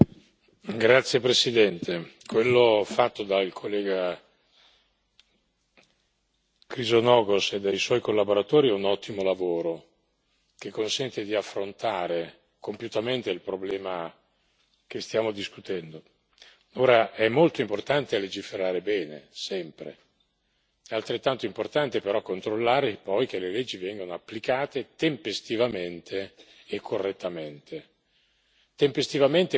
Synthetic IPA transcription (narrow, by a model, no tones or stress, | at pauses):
ɡɾat̪sːjepɾesid̪ɛnt̪ʰekwelːofat̪ːod̪ailkʰolːɛːɡa | kɾizonɔːɡosɛd̪ːajswɔjkolːaboɾat̪oːɾiɛunɔt̪ːimolavoːɾo | k̟ekːonsɛnt̪ed̪iafːɾont̪aːɾe | kompjut̪ament̪eilpɾoblɛːma | k̟est̪jaːmod̪iskut̪ɛnd̪o | oːɾaɛmːolt̪oimport̪ant̪eled͡ʒifeɾaːɾebɛːnḛsɛmpɾḛ | ɛalt̪ɾet̪ːant̪oimport̪ant̪epeɾɔkːont̪ɾolːaːɾepɔjk̟eleled͡ʒːivɛŋɡonoapːlikaːt̪et̪empest̪ivament̪ʰeː | kʰːorːet̪ʰːament̪ʰe | t̪empest̪ivament̪e